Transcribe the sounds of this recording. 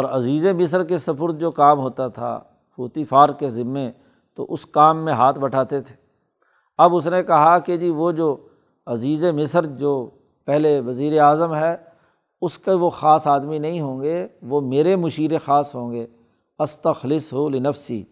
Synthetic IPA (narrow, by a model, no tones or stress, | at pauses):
ɔːɾɐziːzemɪs̬əɾkesɐpʊɾt̪̚d͡ʒoːkaːmɦoːt̪at̪ʰa̰ | fʊːt̪iːfaːɾkezɪmːẽ | t̪o̰ʔʊskaːmːẽɦaːt̪ʰbɐʈʰaːt̪et̪ʰe̥ː | ɐbʊs̬nekɐɦaked͡ʒiːʋod͡ʒoː | ɐziːzemɪsəɾd͡ʒoː | pɛɦleʋɐziːɾeaːzəmɦɛː | ʊskeʋoxaːsaːd̪minɐɦĩɦõːŋ̆ɡeʋoːmeːɾemʊʃiːɾexaːsɦõːŋɡeː | ɐst̪ɐxlɪsɦoːlɪnɐfsḭː